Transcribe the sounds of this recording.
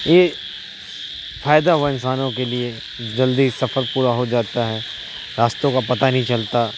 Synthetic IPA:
je | faːjd̪aɦuaɪnsaːnõkelie | d͡ʒɐld̪isɐfəɾpuːɾaɦod͡ʒaːt̪aɦɛ | ɾaːst̪õkapɐt̪anɐɦĩt͡ʃɐlt̪a

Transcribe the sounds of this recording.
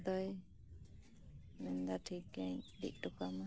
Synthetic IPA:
d̪ɔj | mind̪aʈʰik̚ɡaɲɖḭk̚ˀʈɔkama

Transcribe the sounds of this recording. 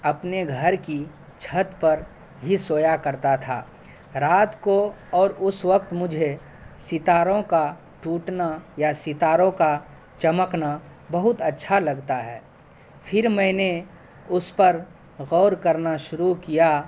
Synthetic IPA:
ɐpneɡʱəɾki | t͡ʃʰət̪pɐɾ | ɦisoːjakɐɾt̪at̪ʰa̰ː | ɾaːt̪koɔːɾʊswəkt̪mʊd͡ʒʱe | sɪt̪aːɾõka | ʈuːʈnajasɪt̪aːɾõka | t͡ʃɐməkna | bɐɦʊt̪ɐtːʃʰalɐɡt̪aɦɛ̰ː | pʰɪɾmɛ̃ːne | ʊspəɾ | ɣɔːɾkəɾnaʃʊɾukija

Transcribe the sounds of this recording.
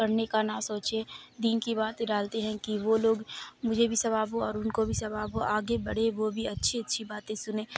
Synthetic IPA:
kəɾnekanasoːt͡ʃed̪iːnkibaːt̪eɾaːlt̪eɦɛ̃kiʋoloːɡmʊd͡ʒʱebʱisɐbaːboɔːɾʊnkobʱisɐbaːboʔaːɡebɐɽ̤eʋobʱiɐtːʃʰiɐtːʃʰibaːt̪ẽsʊnẽː

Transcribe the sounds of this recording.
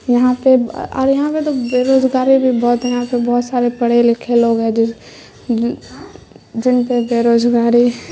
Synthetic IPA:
jɐɦãpeɔ̰ːɾjɐɦãpet̪obeːɾoːzɡaːɾibʱibɔːt̪jɐɦãpebɔːt̪saːɾepɐɽ̤elɪkʰeloːɡɦɛd͡ʒ | d͡ʒɪnpebeːɾoːzɡaːɾi

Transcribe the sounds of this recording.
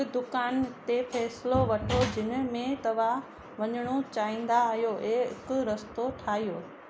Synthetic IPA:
d̪ʊkaːnt̪efʰɛːsɪloʋɐʈʰod͡ʑɪnʊ̆mẽt̪ɐʋ̤a | ʋɐɲəɽ̃ot͡ɕaːĩːn̆d̪aːɦijoʔekʊɾɐst̪oʈʰaːɦijoː

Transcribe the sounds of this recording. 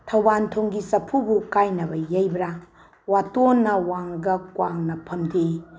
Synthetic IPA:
tʰɐwbantʰoŋɡisɐpʰubukajnɐbɐjɐjbɾɐ | watonːɐwaŋɡɐkwaŋnɐpʰɐmde

